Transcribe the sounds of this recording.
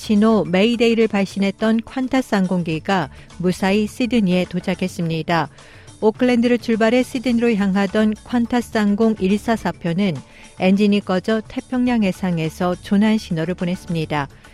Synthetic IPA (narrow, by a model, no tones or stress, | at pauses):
ɕʰinome̞ide̞iɾɯɭpaɭɕ͈inɦe̞t̚t͈ʌnkʰwantʰas͈aŋɡoŋɡiɡa | musʰais͈ʰidɯɲie̞tot͡ɕʰakʰe̞s͈ɯmɲida | okʰɯɭːe̞ndɯɾɯt͡ɕuɭbaɾe̞s͈ʰidɯɲiɾoçjaŋɦadʌnkʰwantʰas͈aŋɡoŋiɭs͈asʰapʰjonɯn | e̞nd͡ʑiɲik͈ʌd͡ʑʌtʰe̞pʰjʌŋɲaŋɦe̞sʰaŋe̞sʰʌt͡ɕonɦanɕʰinoɾɯɭpone̞s͈ɯmɲida